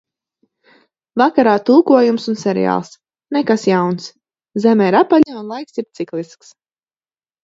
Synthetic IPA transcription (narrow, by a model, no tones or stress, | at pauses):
vakaɾaːt̪ulˠkuɔjumsunsɛɾḭja̰ːlˠs | nekasjawns | zɛmɛiɾapaʎaunlˠajksiɾt̪siklˠisks